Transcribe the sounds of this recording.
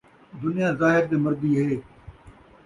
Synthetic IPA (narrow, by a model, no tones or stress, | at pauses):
d̪ʊnɪjãːzaːɦɪɾd̪eːməɾd̪iːɦeː